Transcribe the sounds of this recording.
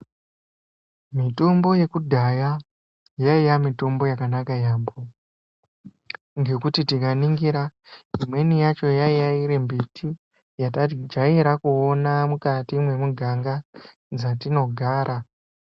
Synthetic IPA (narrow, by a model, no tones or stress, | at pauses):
mito̞mbo̞je̞kudʱaja | jaijamito̞mbo̞jakanakajaːmbo | ŋɡe̞kutitikaniŋɡiɾaimwe̞nijat͡ʃo̞jaijaiɾembitʰi | jatd͡ʒaiɾakuonamukatimwe̞muɡʱaŋɡa | d͡zatino̞ɡʱaːɾʔa